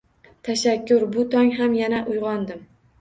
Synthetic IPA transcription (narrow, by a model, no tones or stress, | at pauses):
t̪ʰaʃakʲːʊɾbʊt̪ʰɒŋɦamjanaʔʊjʁɒnd̪ɪm